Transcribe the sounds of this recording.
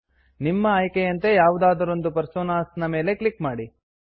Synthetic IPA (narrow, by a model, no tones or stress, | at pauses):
nimːɐːjkejɐnt̪e̞jaːʋud̪aːd̪ɐɾo̞nd̪upɐɾsoːnaːsnɐme̞ːle̞klikmaːɽi